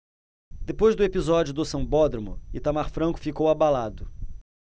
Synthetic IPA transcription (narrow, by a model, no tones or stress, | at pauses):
d̪epojzd̪ʊepizɔd͡ʒʊd̪ʊsɐ̃w̃bɔd̪ɾimʊ̰ɪt̪amaɾfɾɐ̃kʊ̥fikowabalad̪ʊ